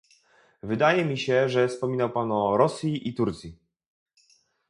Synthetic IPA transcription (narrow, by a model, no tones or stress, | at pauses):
vɘd̪ajɛmʲiɕɛʐɛfspɔmʲinawpanɔɾɔsʲjiʔit̪uɾt̪sʲji